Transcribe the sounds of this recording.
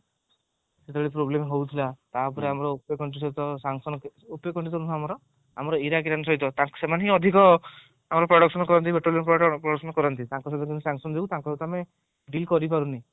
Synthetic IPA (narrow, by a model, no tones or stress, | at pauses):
set̪ebeɭipɾoblemɦowt̪ʰilat̪apɔɾeamɔɾɔupekɔɳʈis̬ɔɦit̪ɔsaŋsɔnɔkupekɔɳʈisɔɾunʰamɔɾɔ | a̰mɔɾɔiɾakiɾanɔsɔɦit̪ɔt̪aŋksemaneɦĩɔd̪ʱikɔ | amɔɾɔpɾɔɽɔksɔnɔkɔɾɔnt̪ibeʈoliɔnpɾɔpɾɔɽɔksɔnɔkɔɾɔnt̪it̪ãŋkɔsɔt̪ɔkinisaŋsɔnɔd͡ʒeut̪ãŋkɔsɔɦit̪ɔame | ɖilkɔɾipaɾuni